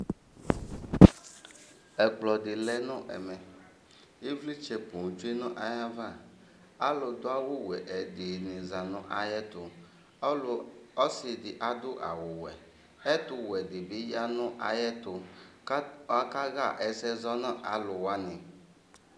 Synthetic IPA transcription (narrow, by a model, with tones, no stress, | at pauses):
ɛ˨k͡plɔ˨dɪ˨lɛ˦nʊ̃˦ʔɛ̰˨mɛ˨ | e˦vli˦t͡ʃɛ˨põ˨d͡ʒu˦e˦nʊ̃˦ʔa˨ja˦va˦˨ | a˦lʊ˨d̪ʊ˦a˦wʊ˦wɛ˨ʔɛ˨˦dɪ˨nɪ̃˨za˨nʊ̃˦ʔa˦jɛ˦t̪ʊ˨˦˨ | ɔ˦sɪ˨dɪ˨ʔa˦dʊ˦ʔa̰˨wʊ˨wɛ˨ | ɛ˦tʊ˨wɛ˨dɪ˨bɪ˦ja˦nʊ̃˦ʔa˨jɛ˦tʊ˨ | a˦ka˦ɣa˦˨ʔɛ˨sɛ˦zɔ˦nɔ̃˦ʔa˨lʊ˨wa˦nɪ̃˨